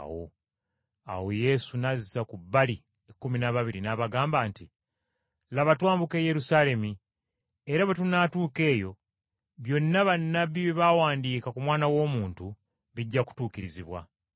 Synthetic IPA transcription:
wo̰ | a̰wo̞je̞sunazizakubːali | ekːuminaβaβiɾinaβaɡaːmbaːnti | laβatwaːmbuke̞je̞ɾusaːle̞mi | eɾaβetunatuːke̞ːjo̞ | βjo̞nːaβanːabiβeβawaːndiːkakumwaːnawo̞ːmuːntu | βiɟːaku̥tuːkiɾiziβwa̰

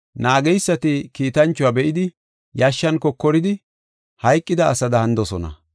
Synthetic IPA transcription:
naːɡɛjsːɐt̪ɪkiːt̪ɐnt͡ʃːʊwaːbɛʔɪd̪ɪ | jɐʃːɐnkɔkːɔɾɪd̪ɪ | hɐjkʼːɪd̪ɐːsɐd̪ɐhɐnd̪ɔsɔnɐ̰

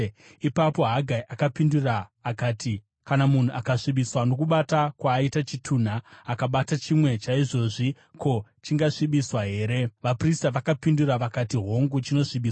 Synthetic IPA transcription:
ipapo̞ɦaɡʱaiʔakapinduraːkaːti | kanamun̤uʔakaʂiɓiswano̞kuɓatakwaːitat͡ʃitʰuːn̤aːkaɓatat͡ʃimwe̞t͡ʃaiʐo̞ʐi | ko̞t͡ʃiŋɡaʂiɓiswaɦe̞ːɾe̞ʋapristaʋakapinduraʋakatiɦo̞ŋɡut͡ʃino̞ʂiɓiːswa

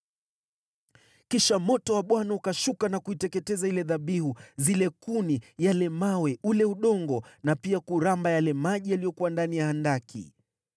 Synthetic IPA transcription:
kiʃamɔtɔwaɓwanaukaʃukanakuitɛkɛtɛzailɛðaɓihuzilɛkunijalɛmawɛʔulɛuɗɔŋɡɔnapiakuɾambajalɛmaʄijalijɔkuwandanijaandakʰḭ

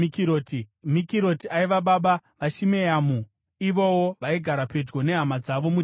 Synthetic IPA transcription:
kiotimikiɾo̞tiaiʋaɓaɓaʋaʃimejamu | iʋowoʋaiɡʱaɾape̞d͡ʒɡo̞ne̞ɦamad͡zaʋo̞mu

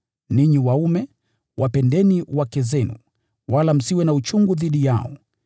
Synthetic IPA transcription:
niɲiwaumɛ | wʔapɛndɛniwakɛzɛnu | walam̩siwɛnaut͡ʃuŋɡuðiɗija̰ɔ

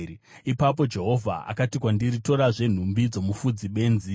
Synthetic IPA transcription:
ipap̬o̞d͡ʒe̞ɦo̞vʱa̰ʔa̰katikwandirito̞ɾaʐe̞n̤umbid͡zo̞mufud͡ziɓe̞ːnzi

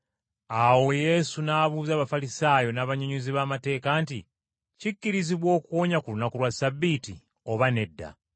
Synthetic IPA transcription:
awo̞je̞ːsunaːβuːzaːβafalisaːjo̞naβaɲuɲuziβaːmate̞ːkantḭ | cicːiɾiziβwo̞ːkuwo̞ːɲakulunakulwasabːiti | o̞βane̞dːa̰

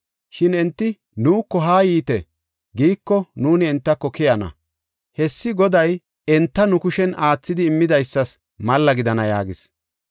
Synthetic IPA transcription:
ʃɪnɛnt̪ːɪ | nuːkːɔɦaːjiːt̪ɛ | ɡiːkːɔnuːnɪɛnt̪ːɐkːɔkɪjɐnɐ̰ | hɛsːɪɡɔd̪ɐj | ɛnt̪ːɐnʊkʊʃɛnaːt͡sːɪd̪ɪːmːɪd̪ɐjsːɐs | mɐlːɐɡɪd̪ɐnɐja̰ːɡɪs

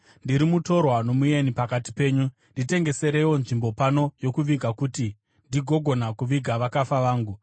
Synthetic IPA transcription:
ndiɾimuto̞rwano̞muje̞nipakati̥pe̞ːɲu | ndite̞ŋɡe̞se̞ɾe̞wo̞nʐimbo̞pano̞jo̞kuʋiɡʱakuti | ndiɡʱo̞ɡʱo̞nakuʋiɡʱaʋakafaʋaːŋɡu

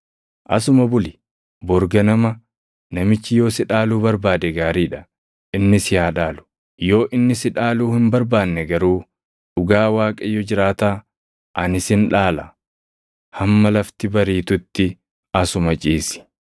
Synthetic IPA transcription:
ʔɐ̰sʊmɐbʊlɪ | bɔɾɡɐnɐmɐ | nɐmɪt͡ʃːɪjo̞ːsɪᶑaːluːbɐɾbaːd̪ɛɡaːɾiːᶑɐ̥ | ɪnːɪsɪhaːᶑaːlʊ̥ | jo̞ːʔɪnːɪsɪᶑaːluːhɪmbɐɾbaːnːɛɡɐɾuː | ᶑʊɡaːwaːkʼɐjːɔd͡ʒɪɾaːt̪aː | ʔɐnɪsɪnᶑaːlɐ̰ | hɐmːɐlɐft̪ɪbɐɾiːt̪ʊt̪ːɪ | ɐsʊmɐt͡ʃʼiːsɪ̥

